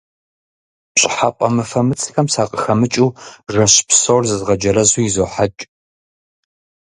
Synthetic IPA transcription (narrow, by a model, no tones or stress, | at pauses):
ɕʼɪħapʷʼɐmɨfɐmɨt͡sʰɨ̥xɐmsaːqʼəxɐmɨt͡ʃʼuːʐɐɕpʰsɐwrzɨzʁɐd͡ʒɐɾɐzuːjizoːħat͡ʃʼ